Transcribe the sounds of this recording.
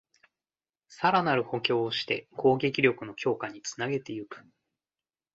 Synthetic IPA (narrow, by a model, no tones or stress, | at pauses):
saɾanaɾɯ̟ho̞kʲo̞ːɕi̥t̪e̞̰kʰo̞ːɡʲe̞k̬ʲiɾʲo̞kɯ̟no̞kʲo̞ːkaɲ̟it͡sɨ̥naɡe̞t̪e̞jɯ̟kɯ̟̥